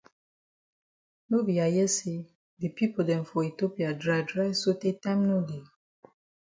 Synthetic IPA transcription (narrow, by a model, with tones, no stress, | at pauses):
no˦bi˨a˨jɛ˦se˦ | de˨pi˦po˨dɛ̃˨nfɔ˨i˨to˦pi˨a˨dɹa˨jdɹa˦so˦te˦tã˦mno˦de˨